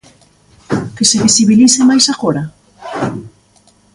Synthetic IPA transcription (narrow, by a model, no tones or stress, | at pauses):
kɪseβisiβiliθemajsaɣoɾa